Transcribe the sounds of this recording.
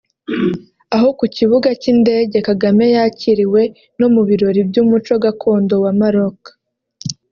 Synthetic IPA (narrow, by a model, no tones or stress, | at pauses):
aɦo̞kuciβuɡacinde̞ːɟe̞kaɡame̞jaciɾiwe̞ | no̞muβiɾo̞ɾibjuːmut͡ʃo̞ɡakʰo̞ːndo̞wamaɾo̞kḁ